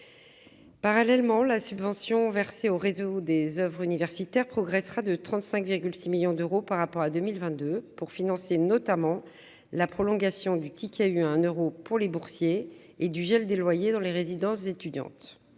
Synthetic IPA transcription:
paʁalɛlmɑ̃lasybvɑ̃sjɔ̃vɛʁseoʁezod̪ezœvʁynivɛʁsit̪ɛʁpχɔɡʁɛsχad̪ət̪χɑ̃t̪sɛ̃kviʁɡʲylsimiljɔ̃d̪øʁopaʁːapɔʁad̪ømilvɛ̃t̪̚d̪øpuʁfinɑ̃senɔt̪amɑ̃ | lapχɔlɔ̃ɡasjɔ̃d̪yt̪ʰikʰʲayaɛ̃nøʁopuʁlebuʁsjeː | d̪yʒɛld̪elwajed̪ɑ̃leʁezid̪ɑ̃szet̪yd̪jɑ̰̃t̪

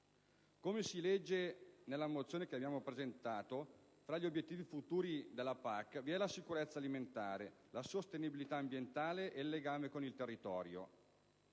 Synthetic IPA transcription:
komesilɛd͡ʒːenelːamot̪sːjoːnekeabjaːmopɾezent̪aːt̪o | fɾaʎːiobjet̪ːiːvifut̪uːɾid̪elːapakːviɛlasikuɾet̪sːaliment̪aːɾelasost̪enibilit̪aːmbjent̪aːleʔelːeɡaːmekonilt̪erːit̪ɔːɾjo̰

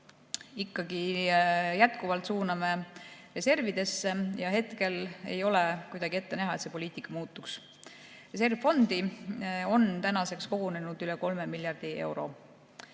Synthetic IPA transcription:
ikːɑɡ̥i | jæt̪kuvɑlt̪suːnɑme̞re̞se̞rvid̪̥e̞sːe̞jɑɦe̞t̪ke̞le̞̰jo̞le̞kujd̪ɑɡ̥ie̞t̪ːe̞næɦɑet̪se̞poliːt̪ikːˑɑmuːt̪ːˑuks | re̞se̞rvfo̞nd̪io̞nt̪ænɑse̞ksko̞ɡ̥une̞nud̪̥yleko̞lmemiljɑrd̪̥ie̞wɾo̞̰

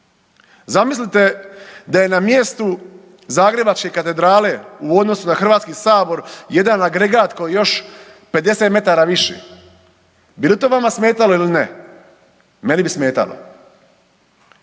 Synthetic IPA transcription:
zamislit̪e̞d̪aje̞namjest̪u | zaːɡɾe̞bat͡ʃke̞kat̪e̞d̪ɾaːle̞uo̞d̪no̞sunaxɾr̩ʋaːt̪skisaːbo̞ɾje̞d̪anaɡɾeɡaːt̪ko̞jejo̞ʃ | pe̞d̪e̞set̪me̞t̪aɾaːʋiʃḛ | bilit̪oːʋamasmeːt̪aloiline | me̞nibisme̞ːt̪a̰lo̰

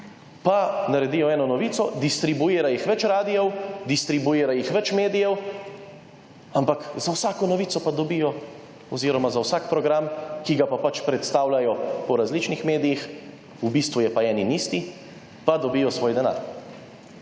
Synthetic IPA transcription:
panaɾɛd̪iːjɔɛːnɔnɔʋiːtsɔd̪ist̪ɾibueːɾajixʋɛt͡ʃɾaːd̪ijɛwd̪ist̪ɾibueːɾajixʋɛt͡ʃmeːd̪ijɛw | ampakzawsaːkɔnɔʋiːt̪sɔpad̪ɔbijɔ | ɔziːɾɔmazawsakpɾɔɡɾamkiɡapapat͡ʃpɾɛt̪st̪aːwlajɔpɔɾazlit͡ʃnixmeːd̪ijix | ubist̪ʋujɛpaɛːninist̪i | pad̪ɔbiːjɔsʋoːjd̪ɛna̰ːɾ

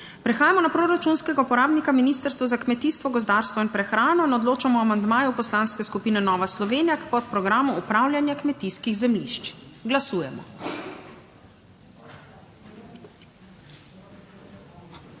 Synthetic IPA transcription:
pɾɛxaːjamɔnapɾoːɾat͡ʃunskɛɡaupɔɾaːbnikaminiːst̪əɾst̪ʋazakmɛt̪iːst̪ʋɔɡɔzd̪aːɾst̪ʋɔinpɾɛxɾaːnɔinɔd̪loːt͡ʃamɔamand̪maːjupɔslanskɛskupiːnɛnɔːʋaslɔʋeːnijakpɔt̪̚pɾɔɡɾaːmuːpɾaːwlʲjanjakmɛt̪iːskiɣzɛmlḭʃt͡ʃɡlasuːjɛmɔ̰

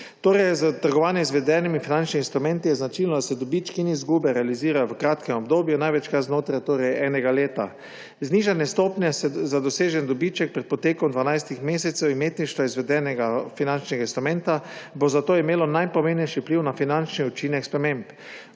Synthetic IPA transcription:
t̪oːɾɛjzət̪əɾɡɔʋaːnjɛizʋɛd̪ɛːnimifinant͡ʃniːnst̪ɾumɛ̃nt̪ijɛznat͡ʃilnɔd̪asɛd̪ɔbit͡ʃkiinizɡuːbɛɾɛaliziːɾajɔʋəkɾaːt̪kɛmɔbd̪oːbjunajʋɛt͡ʃkaɾznoːt̪ɾajt̪oːɾɛjɛːnɛɡaleːt̪a̰ | zniːʒanjɛst̪oːpnʲɛsɛzad̪ɔseːʒɛnd̪ɔbit͡ʃɛk̚pɾɛt̪̚pɔt̪eːkɔmd̪ʋanajst̪ixmeːsɛt̪sɛwimeːt̪niʃt̪ʋaizʋɛd̪ɛnɛɡafinant͡ʃnɛɡainst̪ɾumɛ̃nt̪abozat̪oːimeːlɔnajpɔmẽmnɛjʃipliwnafinant͡ʃniut͡ʃinɛkspɾɛmemp

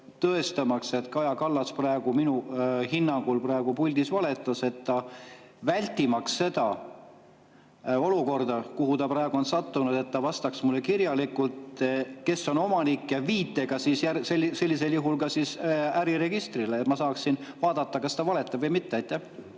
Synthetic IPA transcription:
t̪ɤe̞st̪ɑmɑkse̞t̪kɑjɑkɑlːɑsprɑeɡ̥uminuhinːɑŋɡ̥ulprɑːeɡ̥upulʲd̪isvɑle̞t̪ːˑɑse̞t̪ːɑ | vælʲt̪ʲːˑimɑksːe̞d̪ɑ | o̞luko̞rd̪̥ɑkuɦut̪ɑprɑːeɡ̥uo̞nsɑt̪ːunud̪̥e̞t̪ːɑvɑst̪ɑksmulːekirjɑlikːult̪ke̞sːo̞no̞mɑnikːjɑviːt̪ːˑeɡ̥ɑsiːsjæselse̞lʲːise̞ljuɦulkɑsiːsæɾiɾe̞ɡ̥ist̪rileːt̪mɑsɑːksinvɑːd̪̥ɑt̪ːɑkɑst̪ɑvɑle̞t̪ːˑɑbvɤjmit̪ːeɑjt̪ːˑæh

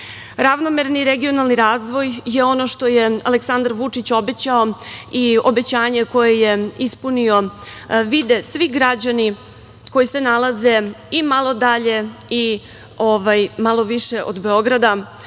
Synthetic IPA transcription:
ɾaʋno̞meɾniɾeɡio̞nalniɾaːzʋo̞jjeo̞no̞ʃt̪o̞jea̰leksand̪aɾʋut͡ʂit͡ɕo̞be̞t͡ɕao̞io̞be̞t͡ɕaːɲe̞ko̞jeje̞ispunio̞ʋid̪esʋiɡɾad͡ʑani | ko̞jise̞nalaze̞imalˠo̞d̪aʎe̞i | ovajmalˠo̞ʋiʃe̞ʔo̰d̪be̞o̞ɡɾad̪a

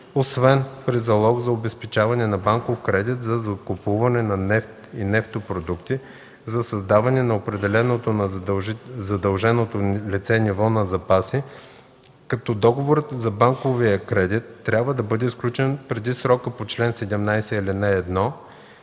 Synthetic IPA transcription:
osvɛnpɾizɐlˠɔɡzɐobɛspɛt͡ʃavɐnɛnɐbaŋkofkɾɛd̪it̪zɐzɐkopuvɐnɛnɐnɛft̪inɛft̪opɾod̪ukt̪i | zɐsɐzd̪avɐnɛnɐopɾɛd̪ɛlɛnot̪onɐ | zɐd̪ɐlˠʒɛnot̪olit̪sɛnivɔnɐzɐpasi | kɐt̪ɔd̪ɔɡovoɾət̪zɐbaŋkoviəkɾɛd̪it̪ːɾʲabvəd̪ɐbɤd̪ɛsklʲut͡ʃɛnpɾɛd̪isɾɔkəpot͡ʃlɛnsɛd̪ɛmnajsɛilinɛːd̪nɔ

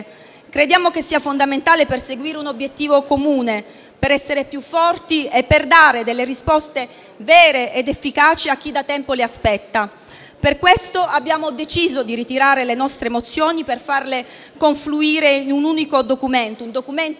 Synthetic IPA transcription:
kɾed̪jaːmokesːiːafond̪ament̪aːleperseɡwiːɾeunobjet̪ːiːvokomuːne | peɾɛsːeɾepjufːɔrt̪iepːerd̪aːɾed̪elːerispɔst̪e | vɛːɾeʔed̪efːikaːt͡ʃiak̟ːid̪at̪ɛmpoleaspɛt̪ːa | perkwest̪oabːjaːmod̪et͡ʃiːzod̪iɾit̪iɾaːɾelenɔst̪ɾemot̪sːjoːniperfarle | koɱfluiːɾeinunuːnikod̪okument̪ound̪okument̪

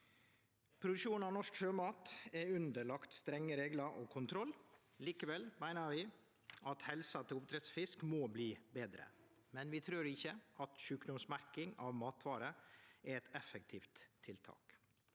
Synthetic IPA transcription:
pʰɾʊd̪ʉʂuːnɑʋnɔʂkʃøːmɑːt̪ɛʉnd̪əɭɑkt̪st̪ɾɛŋːəɾeːɡlɑɾʔɔ̰kʰʊnt̪ʰɾɔlː | liːkəʋɛlmæɪnəɾʋɪ | ɑt̪hɛlsɑt̪ʰɪlʊpt̪ʰɾɛt̪sfɪskmoːbliːbeːd̪ɾə̰ | mɛnʋɪt̪ʰɾʉːɾɪçːəʔɑt̪ʃʉːkd̪ʊmsmæɾkɪŋɑʋmɑːt̪ʰʋɑːɾəɛɾɛt̪ɛfək̚t̪ʰiːft̪ʰːɪlt̪ʰɑ̰ːk

